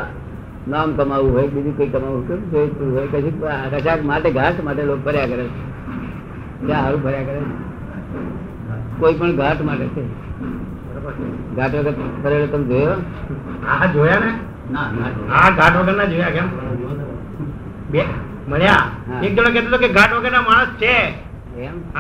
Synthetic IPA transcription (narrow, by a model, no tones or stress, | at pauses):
namkəmaʋũɦojkɓid̪ʱũkəikəmaʋũɦokoksoipuɾuɦojkət͡ʃʰuəʃakmaʈeɡʱaʈmaʈelok̚bʱəɾjakəɾelt͡ʃʰe | kjãaɾũbʱəɾjakəɾel | koipəɳɡʱaʈmaʈet͡ʃʰe | bəɾobəɡʱaːʈʋəɡəɾpəɾelot̪əmd͡ʒojʋa | ad͡ʒojane | nanaaɡʱaʈʰʋəɡəɾnad͡ʒojakɛm | b | məɭjaɦãek̚d͡ʒəɽ̃õkɛt̪ot̪okeɡʱaʈʋəɡəɾnamaːɽ̃əst͡ʃʰe | kɛm